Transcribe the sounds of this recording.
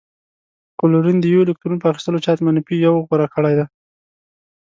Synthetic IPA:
kʊluɾund̪əjwolɪk̚t̪ɾunop̬əaxi̥st̪əlot͡ʃɑt̪manapijawɣwaɾakəɽajd̪a

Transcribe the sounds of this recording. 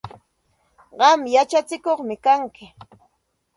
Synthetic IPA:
ɢɑmjat͡ʃat͡sɪkoχmɪkaŋkɪ

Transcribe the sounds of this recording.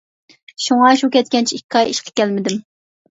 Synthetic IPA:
ʃuŋɑʃukʲɛt̪̚kʲɛnt͡ʃʰiikʲʰːɑjiʃqʰə̥kʲɛlmɪd̪ɪm

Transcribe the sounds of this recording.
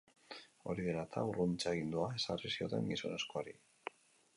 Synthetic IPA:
o̰ɾiðeɾat̪ʰa̰wrunt͡ʃaɣind̪uaesarisiot̪a̰ŋɡiso̰ne̞skoaɾi

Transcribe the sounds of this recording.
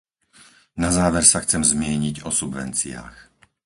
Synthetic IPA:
nazaːʋɛɾsaxt͡sɛmzmɪɛɲiɟɔsubʋɛ̰nt͡sḭa̰ːx

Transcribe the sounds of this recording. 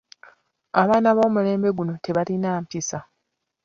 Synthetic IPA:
aβaːnaβo̞ːmule̞ːmbe̞ɡuno̞te̞βalinaːmpisa

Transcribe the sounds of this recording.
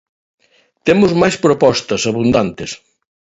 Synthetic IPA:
t̪emʊzmajspɾopɔst̪ɐsɐβund̪ant̪ɪs

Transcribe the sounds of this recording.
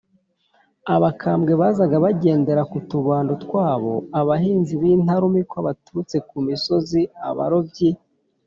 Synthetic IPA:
aβakʰaːmɡe̞βaːzaɡaβaɟe̞ːnde̞ɾakutuβaːndotkwaːβo̞̰aβaɦiːnziβiːn̥haɾumikwoaβatuɾut͡se̞kumiso̞zia̰βa̰ɾo̞bɟi

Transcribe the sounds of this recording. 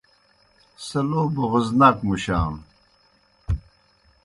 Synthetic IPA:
sɐloːboɣuznɐkmuɕaːm

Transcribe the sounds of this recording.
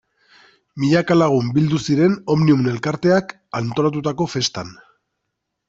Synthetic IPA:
miʎakalaɣ̞umbild̪usiɾe̞no̞mniumne̞lkaɾt̪e̞ak | ant̪o̞lat̪̬ut̪ako̞fe̞st̪an

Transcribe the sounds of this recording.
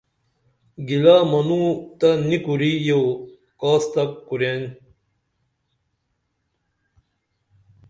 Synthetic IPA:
ɡilaːmɐnut̪ɐnikuɾijow | kaːst̪ɐkkuɾjen

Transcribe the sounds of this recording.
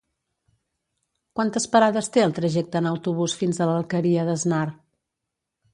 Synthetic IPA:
kwant̪əspəɾaðəst̪eəlˠt̪ɾəʒɛk̚t̪əːnəwt̪uβ̞usfinzələlˠkəɾiəðəznar

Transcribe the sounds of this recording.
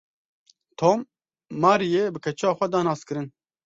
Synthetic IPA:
t̪ʰoːmː | aːɾijeːbɨkʰɛt͡ʃaːxʷɛd̪ɑːnɑːskɨɾɨn

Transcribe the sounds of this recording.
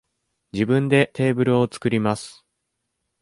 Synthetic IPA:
d͡ʑibɯ̟̃nd̪e̞t̪e̞ːbɯ̟ɾɯ̟o̞t͡sɨ̥kɯ̟ɾʲimasɨ̥

